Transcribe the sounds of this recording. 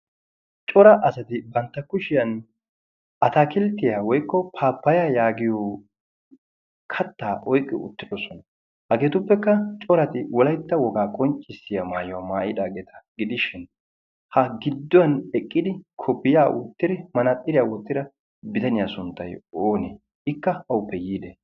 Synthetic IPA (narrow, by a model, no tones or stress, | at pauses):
t͡ʃʼɔɾɐʔɐsɐt̪ɪbɐnt̪ːɐkʊʃɪjɐn | ʔɐt̪aːkɪlt̪ːɪjaːwɔjkːɔpʰaːpːɐjaːjaːɡɪjoː | kʰɐt̪ːaːʔɔjkʼːɪ̰ʊ̰t̪ːɪd̪ɔsɔnɐ | hɐɡe̞ːt̪ʊpːɛkːɐt͡ʃʼɔɾɐt̪ɪwɔlɐjt̪ːɐwɔɡaːkʼɔnt͡ʃʼːɪsːɪjamaːjʊwɐmaːʔɪd̪aːɡeːt̪ʰɐ̥ɡɪd̪ɪʃɪn | hɐɡɪd̪ːɔwɐnɛkʼːɪd̪ɪkʰɔpːɪjaːwɔt̪ːɪd̪ɪmɐnɐt̪ʼːɪɾɪjaːwɔt̪ːɪɾɐ | bɪd̪ɐnɪjasʊnt̪ːɐjoːne | ʔɪkːɐɐʊpːɛjiːd̪e